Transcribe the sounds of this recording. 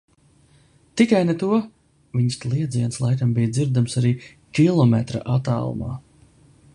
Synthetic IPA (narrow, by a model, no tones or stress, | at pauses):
t̪ikajnet̪uɔ | viɲslˠiɛd̪ziɛnslˠajk̪ambijd̪ziɾd̪amsaɾiː | kʲilˠɔmɛt̪ɾa̰ʔat̪a̰ːlˠṵma̰ː